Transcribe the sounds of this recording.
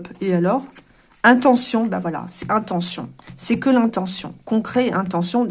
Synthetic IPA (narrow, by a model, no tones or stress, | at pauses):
pealɔʁ | ɛ̃t̪ɑ̃sjɔ̃bavwala̰sɛɛ̃t̪ɑ̃sjɔ̰̃sɛkəlɛ̃t̪ɑ̃sjɔ̰̃kɔ̃kχɛɛ̃t̪ɑ̃sjɔ̃